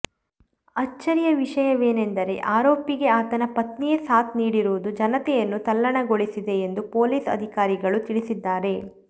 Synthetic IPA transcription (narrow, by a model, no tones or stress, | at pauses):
ɐt͡ʃːɐɾijɐʋiʂɐjɐʋe̞ːne̞nd̪ɐɾe̞ʔaːɾoːpiɡe̞aːt̪ɐnɐpɐt̪nijɐsaːt̪niːɽiɾuʋud̪ud͡ʒɐnɐt̪ɛjɐnːut̪ɐlːɐɳɐɡoɭisid̪e̞ːnd̪upo̞ːliːsɐ̰d̪ʱikaːɾiɡɐɭut̪iɭisid̪ːaːɾe̞